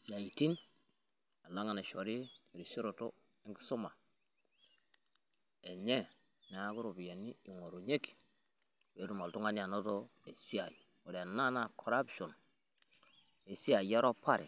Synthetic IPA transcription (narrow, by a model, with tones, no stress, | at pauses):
si˨a˨ji˨ti˦n | a˨la˦ŋa˨na˨ʃo˨ɾi˦˨ɾi˨si˦ɾo˨to˦ | e˦ŋɡi˦su˦ma˨ | e˨ɲe˦ | na˨˦ɡu˦ɾu˨bi˨ja˨ni˦i˨ŋo˨ɾu˨ɲe˦k | we˨˦du˨ma˨ltu˦ŋa˦ni˦a˨no˦to˦e˨si˦a˨j | o˨ɾa˨na˦na˨kʰo˨ɾa˦bʃo˨n | e˨si˦a˨ja˦ɾo˦pa˦˨ɾḛ˨